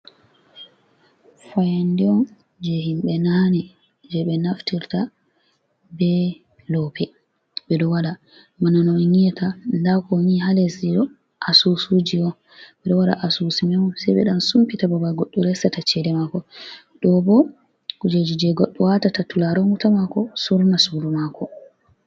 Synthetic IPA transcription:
fajandiɔn | d͡ʒɛhimɓɛnanɛ | d͡ʒɛɓɛnaftiɾta | bɛ | lɔpɛ | bɛɗɔwaɗa | mananɔŋiɛtandakɔniɦalesiɗɔ | ʔasusud͡ʒiɔ | ɓɛɗɔwaɗa̰ʔasusimɛmɔsɛjɓɛ̰ɗansumpitababaɡɔɗːuɾɛsatat͡ʃɛdɛmakɔ | ɗɔbɔ | kud͡ʒed͡ʒid͡ʒɛɡɔɗːuwatatatulaɾɔmutamakɔsuɾnasuɾumakʰɔ

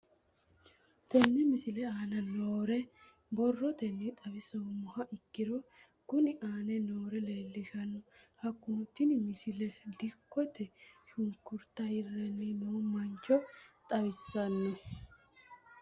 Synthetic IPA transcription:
t̪ɛnːɛmɪsɪlɛaːnɐnoːɾɛ | bɔrːɔt̪ɛnːit̪ʼɐβɪsɔmʊhɐʔɪkːɪɾɔ | kʊnɪʔaːnɛnoːɾɛle̞ːlːɪʃɐnːʊhɐkːʊːt̪ːɪnmɪsɪlɛd̪ɪkːɔt̪ɛʃʊŋkːʊɾt̪ɐhɪrːɛnːɪnoːmɐnt͡ʃːɔt̪ʼɐβɪsːɐnːɛ

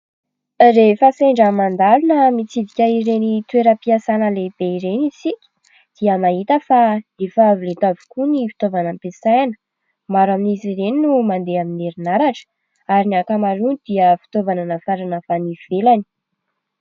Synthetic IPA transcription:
refəseɳɖ͡ʐamand̪alunəmit͡sid̪ikʲəiɾenit̪weɾəpiasanəleb̥eiɾenisikʲi̥ | d̪̥iəmaɦit̪əfad̪efəːvilet̪avi̥kunifi̥t̪ovanampesajnə̥ | maɾaminizireninumand̪eamineɾinaɾaʈ͡ʂə̥ | aɾiniakamaɾunid̪̥iəfi̥t̪ovananafaɾanəfaniv̥elani̥

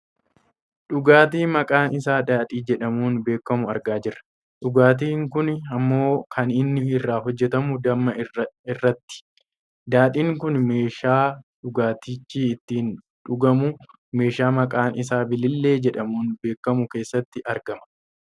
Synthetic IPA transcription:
ᶑʊɡaːt̪̬iːmɐkʼaːnɪsaːd̪aːᶑ̪ʼiːd͡ʒɛᶑɐmuːnbe̞ːkːɐmʊɐɾɡaːd͡ʒɪrːɐ̥ | ᶑʊɡaːt̪̬iːŋkʊnɐmːo̞ːkʰɐnɪnːɪɪrːaːɦɔd͡ʒːɛt̪ɐmʊd̪ɐmːɐɪrːɐt̪ːɪ̥ | d̪aːᶑ̪ʼiːŋkʊnmeːʃaːᶑʊɡaːt̪ɪt͡ʃːiːɪt̪ːiːn | ᶑʊɡɐmʊ | me̞ːʃaːmɐkʼaːnʔɪsaːbɪlɪlːe̞ːd͡ʒɛᶑɐmuːnbe̞ːkːɐmʊke̞ːsːɐt̪ːɪʔɐɾɡɐmɐ̥

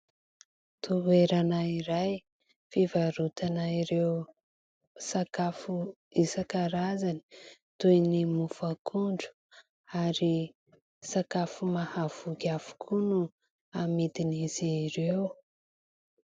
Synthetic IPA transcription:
t̪ʰueɾanaiɾaj | fivaɾut̪anaiɾew | sakafu | isakaɾazani̥ | t̪ujnimufakʰuɳɖ͡ʐu̥ | aɾi | sakafumahav̥ukafu̥kʰunu | amit̪iniziɾew

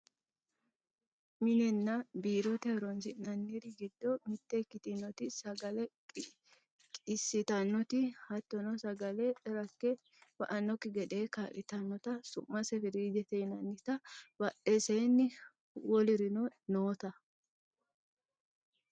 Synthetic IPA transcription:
mɪnɛnːɐbiːɾɔt̪ɛɾɔnsɪnɐnːiɾɪɡɪd̪ːɔmɪt̪ːekːɪt̪ɪnːɔt̪ɪsɐɡɐlɛ | kʼɪsːɪt̪ɐnːɔt̪ɪhɐt̪ːɔnɔsɐɡɐlɛʔɛɾɐkːɛ | bɐʔɐnːɔkːɪɡɛd̪e̞ːkaːʔɪt̪ɐnːɔt̪ɐsʊ̰mːɐsɛfɪɾiːd͡ʒɛt̪ɛjnɐnːɪt̪ɐbɐʔesɛjnːɪ | wɔlɪɾɪnɔnoːt̪ɐ

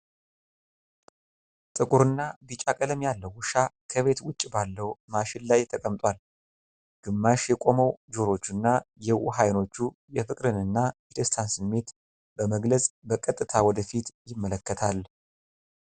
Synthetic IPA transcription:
t̪ʼɨkʼuɾɨnːabɨt͡ʃʼakʼələmjalːəwːʊʃakʰəβe̞t̪wʊt͡ʃʼːbalːəwmaʃɪnlajt̪ʰːəkʼəmt̪ʼwal | ɡ̥ɨmːaʃjɛkʼo̞məwd͡ʒoɾo̞t͡ʃːɨnːajɛwuɦajno̞t͡ʃːu | jɛfɨkʼɾɨnɨnːajɛd̪əst̪ʰansɨmːe̞t̪ | bəməɡləsʼbəkʼət̪ʼːɨt̪ʰawɔd̪əfit̪jɪmːələkːət̪ʰal

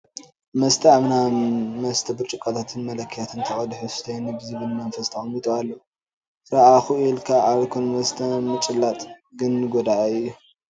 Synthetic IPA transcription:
mɐst̪ʰɐaβnamɐst̪ʰɐbɨɾt͡ʃʼɨkʼːat̪ʰat̪ʰɨnmɐlɐkʰːjat̪ʰɨnt̪ʰɐχʼɐd̪uħust̪ʰɐjnɨbɨzɨβɨlmɐnfɐst̪ʰɐχʼɐmit̪ʼoalːɐ | sɾaʔaxuilkʰaʔaβkʰunmɐst̪ʰɐmɨt͡ʃʼɨlːat̪ʼɡɨnːɨɡod̪aʔɐɨjːu

